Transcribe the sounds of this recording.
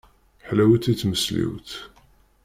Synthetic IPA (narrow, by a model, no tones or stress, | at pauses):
ħlæwət̪ːit͡sːməslḭwθ